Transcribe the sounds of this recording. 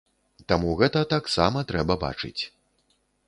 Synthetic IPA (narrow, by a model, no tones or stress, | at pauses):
t̪amuɣɛt̪ɐt̪aksamɐt̪ɾɛbɐba̰t͡ʂɨ̰t͡sʲ